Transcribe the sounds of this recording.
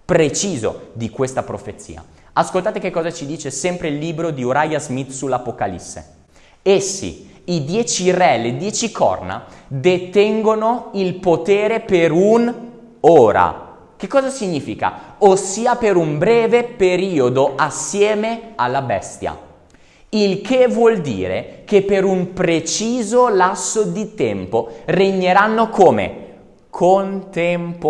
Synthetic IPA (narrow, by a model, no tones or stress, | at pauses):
pɾet͡ʃiːzo̰d̪ikwest̪apɾo̰fet̪sːḭːa̰ | askolt̪aːt̪ekekːɔːzat͡ʃid̪iːt͡ʃesɛmpɾeilːiːbɾod̪ioɾajazmit̪sulapokalḭsːḛ | esːḭ | id̪jɛːt͡ʃirɛled̪jɛːt͡ʃikʰɔ̰rna̰d̪et̪ɛŋɡonoilpot̪eːɾepeɾun | oːɾa̰ | kekːɔːzasiɲːiːfika̰osːiːapeɾumbɾɛːvepeɾiːod̪oʔasːjɛːmealːabɛ̰st̪ja̰ | ilkʰevwɔld̪ḭːɾḛkepːeɾumpɾet͡ʃiːzolasːod̪it̪ɛmporeɲːeɾanːokoːmḛ | kʰont̪emp